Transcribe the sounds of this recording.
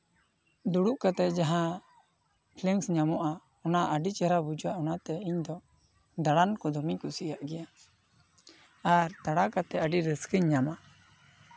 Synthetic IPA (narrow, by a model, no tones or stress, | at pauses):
d̪uɽuʔkat̪ɛd͡ʒaɦã | pʰlɛŋsɲamɔʔa | ɔnaʔəɖit͡ʃɛɾabud͡ʒuwaʔɔnat̪ɛiɲd̪ɔ | d̪aɽankɔd̪ɔmikusiaʔɡɛja | aɾt̪aɽakat̪ɛəɖiɾəskəɲːama